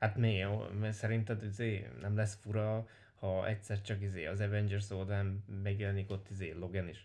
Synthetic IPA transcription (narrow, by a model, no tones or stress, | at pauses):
hat̪meːosɛɾint̪ɛd̪izeːnɛmlɛsfuɾɒ | hɒɛ̰csɛrt͡ʃɒkizeːɒzɛvɛnd͡ʒɛrsold̪vaːnmɛɡjɛlɛnikot̪ːizeːlo̞ɡɛniʃ